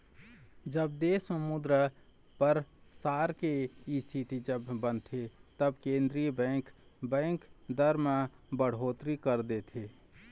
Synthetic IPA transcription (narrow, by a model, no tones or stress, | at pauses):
d͡ʒəb̚d̪eːsəmud̪ɾə | pəɾsaːɾkeist̪ʰit̪id͡ʒəbːənt̪ʰet̪əbkẽːnd̪ɾijəbɛ̃ːŋkbɛ̃ːŋkd̪əɾma | bəɽ̤oːt̪ɾikəɾd̪et̪ʰe